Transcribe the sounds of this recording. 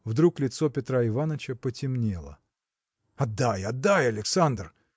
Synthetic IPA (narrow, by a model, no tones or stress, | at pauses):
vd̪ɾuklʲɪt̪so̞pʲɪt̪ɾaɪvanət͡ɕəpətʲɪmnʲelˠə̰ | ɐd̪ːajɐd̪ːajɐlʲɪksand̪r